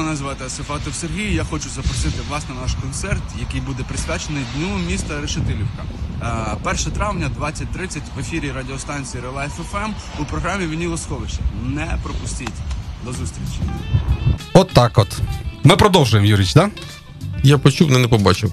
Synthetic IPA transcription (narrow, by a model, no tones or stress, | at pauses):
ɐnɐzʋɑt̪ɪɐsefɑt̪ɔwserɦʲijijaxɔt͡ʃʊzɐpɾɔsɪt̪ɪʋlˠɑsnɛnɑʃkɔnt̪sɛrt̪jɐkɪjbud̪ɛpɾɪskɑt͡ʃenɪjd̪ʲnʲumʲist̪ɐɾeʃɪt̪ɪlʲiwkɐ | pɛrʃɐt̪ɾɑʋnʲɐd̪ʋɑt͡sʲɐt̚ʲt̪ɾɪt͡sʲɐtʲʋefʲiɾʲiɾɐdʲiɔst̪ɑnʲt͡sʲijiɾelˠɛɛfɛfɛmupɾɔɦɾɑmʲiʋʲinʲilˠɔskɔʋɪt͡ʃɐnɛpɾɔpʊsʲtʲitʲd̪ɔzust̪ɾʲit͡ʃi | ɔt̪ːɑkɔt̪mɪpɾɔd̪ɔwˠʒʊjemjuɾʲit͡ʃd̪a | japɔt͡ʃuwnɪnɛpɔbɑt͡ʃɪw